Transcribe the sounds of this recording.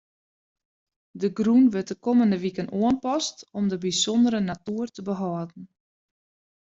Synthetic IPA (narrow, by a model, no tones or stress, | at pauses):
dəɡrunʋɪt̚dəkoməndəʋikənoənpɔstɔmdəbisɔndəɾənatuərtəbəɦɔədn̩